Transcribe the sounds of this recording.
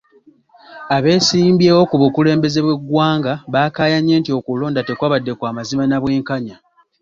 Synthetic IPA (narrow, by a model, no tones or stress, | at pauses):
aβe̞ːsiːmbjeːo̞kuβukule̞ːmbe̞ze̞βwe̞ɡːwaːŋɡaβaːkaːjaɲe̞ːntio̞kulo̞ːndate̞kwaβadːe̞kwaːmazimanaβwe̞ːŋkaɲa